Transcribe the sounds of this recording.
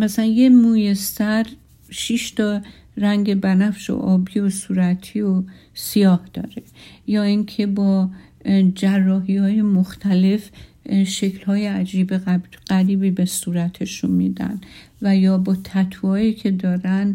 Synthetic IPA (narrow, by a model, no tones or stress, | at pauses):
mæsælænjemuːjesæɾ | ʃiʃt̪ʰɒ | ræŋɟe̞bænæfʃo̰ʔɒːbiːosuːɾæt̪ʰio | sijɒːhd̪̥ɒ̰ːɾe̞jɒːiŋkʰe̞bɒː | d͡ʒærːɒːɦiːhɒːje̞moxt̪ʰæle̞f | ʃe̞kʰlhɒːjeæd͡ʒiːbeæɢ̥æɾiːbiːbe̞suːɾæt̪ʰe̞ʃunmiːd̪æ̰n | væjɒːbɒːt̪ʰæt̪ʰvɒːiːkʰe̞d̪ɒːɾæn